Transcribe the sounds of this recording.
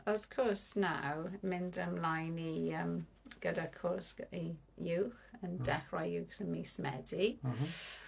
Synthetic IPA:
əv̥kʰɔɹsna̰wmɪndəmlajniəmɡ̥ədakʰɔsi | juwxəndɛχrajjuːxsənmismɛ̰di

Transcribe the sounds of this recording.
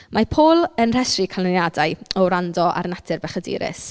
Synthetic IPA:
mʔapʰoːlˠənr̥ɛsrikʰalˠənjadajɔwɾandɔʔa̰rnatʰɪrbɛχədḭːɾɪ̰s

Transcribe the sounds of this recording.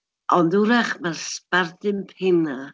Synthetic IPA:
ʔɔnduɾaχmarspardɪmpʰɪna

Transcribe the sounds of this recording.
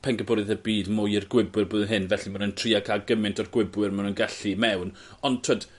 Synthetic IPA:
pʰɛnɡəbɔɾɨðəbiːdmʊjɪrɡwɪbwɨrbʊðɦɪnvɛɬimanəntʰriːakʰaɡəmɪntʰɔrɡwɪbwɨrmanənɡɛɬimɛwn | ɔntʰəd̥

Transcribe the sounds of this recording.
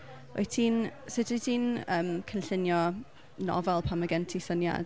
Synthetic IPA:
o̰tʰiːnsɨdətʰiːnəːmkʰənɬɪnjɔ | nɔ̰vɛlˠpʰamaɡɛntʰisənja̰d

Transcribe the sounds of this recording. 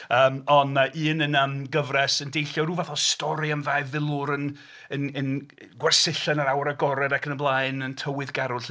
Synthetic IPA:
əːmɔnəʔiːnənəːmɡəvrɛsəndejɬjɔruːvaθɔstɔɾiamvavɪlˠʊɾən | ənən | ɡwɛrsɪɬanaɾawɾaɡɔɾɛdakʰənəblˠajnəntʰəwɨðɡaɾʊɬ

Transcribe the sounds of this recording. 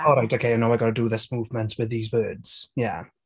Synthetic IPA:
ɔlˠɾaɪtʰoːkʰeɪãnawɪɡɑɾədəðɪsmuːvmə̃ntʰwɪðiːzwɜːdz̥jæ̰

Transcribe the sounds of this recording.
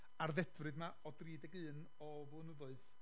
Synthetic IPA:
arðɛdrɨdmaɔdriːdɛɡɨːn | ɔ | vʊːnəðʊɨð

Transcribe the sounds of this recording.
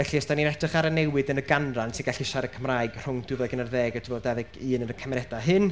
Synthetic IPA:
ɛɬiɔsd̥aninɛtɨχaɾənɛwɨdənəɡanransʰiɡaɬiɪʃaɾəkʰəmraːɨɡr̥ʊŋd̥ɨvɛɡənərðɛːɡɔtʰɪbɔdɛðɨɡɨːnənəkʰamɛɾɛdaɦɨn

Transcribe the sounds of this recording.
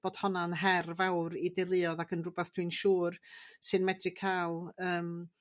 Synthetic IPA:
b̥oːd̥hɔnanɦɛrvawɾidɛlˠɨɔðakʰənrʊbɛθd̥wiɨnʃuːrsɨnmɛdrɨ̥kʰaːlˠəːm

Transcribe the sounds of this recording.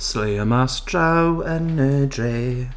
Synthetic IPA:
sleːəmastʰɹawənədɹeː

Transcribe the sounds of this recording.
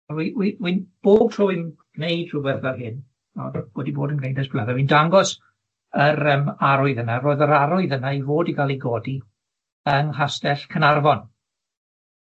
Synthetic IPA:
ɛwiwiwinb̥oːd̚tʰrɔːɪnɡ̥nejd̥r̥ʊbɛθvɛrhɪn | ɔ̰db̥wɛdiboːdənɡnejndɛsb̥lɛvɛwindaŋɡɔs | əɾəmaɾʊɨðənaɾoːɨðəɾaɾʊɨðənaivoːdiɡalˠiɡɔːdi | əŋɦastɛɬkʰənarvɔn

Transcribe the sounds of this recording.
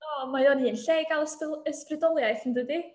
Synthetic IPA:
ɔmajɔniːnɬejɡalˠəsəsprɨdɔlˠjajθndɨdi

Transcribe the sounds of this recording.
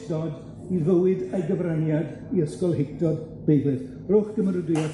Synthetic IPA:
dɔd | ivəwɪdəɡəvrənjad | iəskɔlˠhɪk̚tɔd | b̥ejðɨð | roːχɡ̥əməɾədɪa

